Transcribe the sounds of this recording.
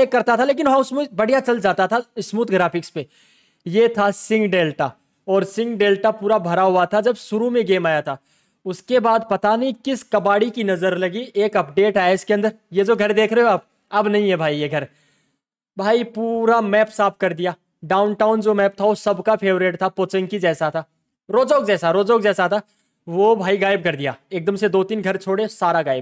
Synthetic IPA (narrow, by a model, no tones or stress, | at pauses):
eːkːɐɾt̪at̪ʰaleːk̬ɪnɦãʊsmubɐɽ̤ijat͡ʃɐld͡ʒaːt̪at̪ʰaɪsmuːt̪ɡɾaːfɪkspe | jet̪ʰasɪ̃ŋɡɖeːlʈa | ɔːɾsɪ̃ŋɡɖeːlʈapuːɾabʱɐɾaɦʊat̪ʰad͡ʒɐbʃʊɾumẽɡeːmaːjat̪ʰa | ʊskebaːd̪̚pɐt̪anɐɦĩkɪskɐbaːɽikinɐzəɾlɐɡiʔeːkɐp̚ɖeːʈaːeɪskeɐ̃nd̪əɾjed͡ʒoːɡʱɐɾd̪eːkʰɾeeɦoaːp̚ | ɐbnɐɦĩɦɛbʱaːijeɡʱɐɾ | bʱaːipuːɾamɛːpsaːpkɐɾd̪ijaː | ɖaːʊnʈaːʊnd͡ʒoːmɛːp̚t̪ʰaʋosɐbkapʰeːʋɾeːʈt̪ʰapoːt͡ʃə̃ŋkid͡ʒɛːsat̪ʰaː | ɾoːd͡ʒoːk̚d͡ʒɛːsaɾoːd͡ʒoːk̚d͡ʒɛːsat̪ʰa | ʋobʱaːiɡaːɪb̚kɐɾd̪ija̰ːeːk̚d̪əmsed̪oːt̪iːnɡʱɐɾt͡ʃʰoːɽesaːɾaɡaːɪb̚